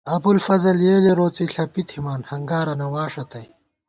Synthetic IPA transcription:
ɐbulfɐzɐljeːleɾoːt͡siɬɐpit̪ʰhimaːnhɐŋɡaːɾɐnɐwaːʂɐt̪ɐj

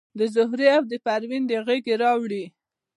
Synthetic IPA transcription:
d̪əzʊɦɾeawd̪əpaɾwind̪əɣeɡeɾɑwɽi

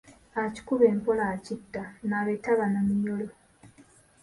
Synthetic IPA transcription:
aci̥kuβe̞ːmpolacitːanaβetaβanamijolo

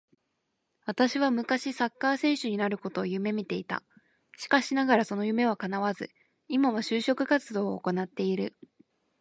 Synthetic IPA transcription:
βat̪aɕiβ̞amɯ̟kaɕisakːaːsẽ̞ɰ̃ɕɨɲ̟inaɾɯ̟ko̞t̪o̞ːjɯ̟me̞mʲit̪e̞it̪a̰ | ɕi̥kaɕinaɡaɾaso̞no̞jɯ̟me̞β̞akanaβazɨ | imaβaɕɨːɕo̞kɯ̟kat͡sɨd̪o̞ːko̞nat̪ːe̞iɾɯ̟

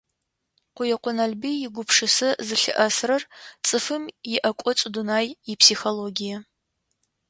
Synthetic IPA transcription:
qʷʊjɛqʷʊnɐɮbijɪɡʷʊpʂɨsɨzɨɬɨ̰ʔɐsrɐrt͡sʼɨfɨmjɪʔɐkʷʼɔt͡sʼʊdunaːjjɪpʰsixoloːɡʲijɐ

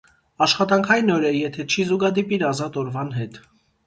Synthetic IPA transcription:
ɑʃχɑt̪ɑŋkʰɑjinɔɾɛjɛt̪ʰɛt͡ʃʰizuɡɑd̪ipiɾɑzɑt̪ɔɾvɑnɦɛt̪

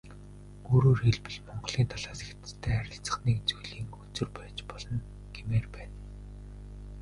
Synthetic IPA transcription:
ɵɾoːrxeɮpɘ̆ɮmɔɴɢɮ̥iːnt̪ʰaɮaːsext̪st̪ʰːæːaɾʲɪ̆ɬt͡sə̆χniːkt͡sujɮiːŋut͡sɵ̆rpæːt͡ɕpɔɮɞ̆n | ɡ̥emeːrpæːn

